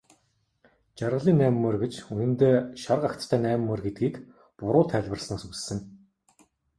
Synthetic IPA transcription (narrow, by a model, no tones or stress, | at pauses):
t͡ɕarʁə̆ɮiːnːæːmːɵrɡet͡ɕunɘ̆nt̪eːʃarqakt̪t̪ʰːæːnæːm̆mːɔrɡet̪̚ɡiːk | pʊɾʊːt̪ʰæːɮʲwə̆rsnaːsussɘ̆n